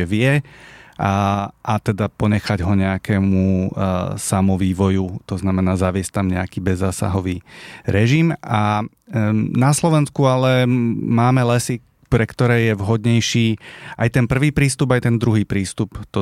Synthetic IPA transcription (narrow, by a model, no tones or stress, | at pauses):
ɛʋɪɛ | ʔat̪ɛd̪apɔɲɛxaɟɦɔɲɛakɛːmu | samɔʋiːʋɔjut̪ɔznamɛnaːzaʋɪɛsct̪amɲɛakiːbɛzːaːsa̰ɦɔʋiːɾɛʒima | naslɔʋɛnskualɛmaːmɛlɛsi | pɾɛkt̪ɔɾɛːjɛʋɦɔd̪ɲɛjʃiːʔajt̪ɛnpr̩ʋiːpɾiːst̪ubajt̪ɛnd̪ɾuɦiːpɾiːst̪upt̪ɔ